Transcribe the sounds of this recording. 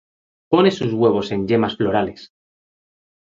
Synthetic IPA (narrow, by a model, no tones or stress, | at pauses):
po̞ne̞suzɣwe̞β̞o̞se̞ɲʎe̞masflo̞ɾale̞s